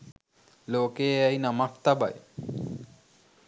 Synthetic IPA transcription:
loːkeɛjnamakt̪aba̰j

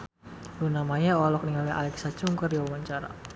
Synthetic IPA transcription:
lunamajaɔlɔk̚niŋaliʔa̰lɛksat͡ʃuŋkərjawawaɲt͡ʃaɾa̰

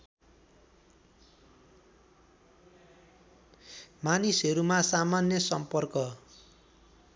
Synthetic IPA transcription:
manisɦʌɾumasamanjʌsʌmpʌrkʌ

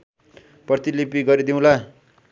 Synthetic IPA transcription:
pʌrt̪ilipiɡʌɾid̪iw̃la

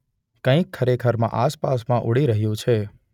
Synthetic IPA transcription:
kə̃ĩkʰːəɾekʰəɾmã̰ʔaspasmãʔuɽiɾəɦjũt͡ʃʰe

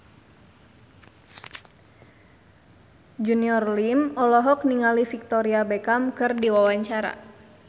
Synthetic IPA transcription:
d͡ʒuniɔrlimɔlɔɦɔk̚niŋalifik̚t̪ɔɾiabɛkamkɨrdiwawaɲt͡ʃaɾa̰

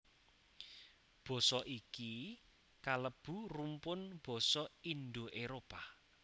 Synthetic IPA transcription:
b̥ɔ̤sɔʔiki | kaləb̥ṳrumpʊnb̥ɔ̤sɔind̪oʔeɾopa

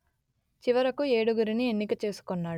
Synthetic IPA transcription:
t͡ʃiʋɐɾɐkue̞ːɽuɡuɾinienːikɐt͡ʃe̞ːsu̥konːaːɽu

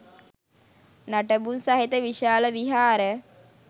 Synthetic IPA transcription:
naʈəbunsaɦit̪əʋiʃaːləʋiɦaːɾə

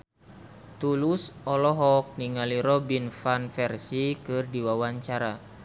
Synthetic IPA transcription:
t̪ulusɔlɔɦɔk̚niŋaliɾɔbinfanfɛrsikɨrdiwawaɲt͡ʃaɾa

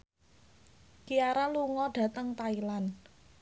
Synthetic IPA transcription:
kiaɾaluŋɔɖ̥ä̤t̪əŋt̪ailan

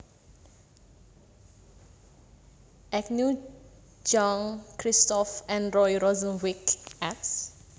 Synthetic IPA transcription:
ɛk̚nu | d͡ʒɔ̃ŋkʰɹistɔfɛ̃nɹɔjɹɔzə̃nwikɛts

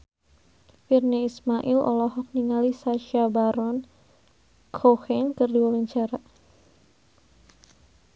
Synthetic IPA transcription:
firneismaʔɪlɔ̰lɔɦɔk̚niŋalisaʃabaɾɔn | kʰohɛŋkɨrdiwawaɲt͡ʃaɾa

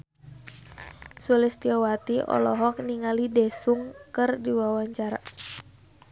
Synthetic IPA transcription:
sulɪst̪iɔwat̪iʔɔ̰lɔɦɔk̚niŋalidɛsuŋkɨrdiwawaɲt͡ʃaɾa

